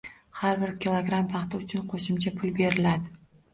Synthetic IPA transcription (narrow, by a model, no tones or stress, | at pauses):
haɾbɪɾkʲilˠoɡɾampʰɑqt̪ɪʊt͡ʃʰʊnqʰoʃɪmt͡ʃʰapʰʊlbe̞ɾɪlad̪ɪ